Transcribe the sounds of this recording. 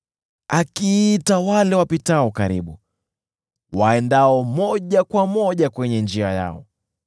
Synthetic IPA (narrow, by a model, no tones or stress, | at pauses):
akiːtawalɛwapitaɔkaɾḭɓu | waɛndaɔmɔʄakwamɔʄakwɛɲɛnd͡ʒiaja̰ɔ̰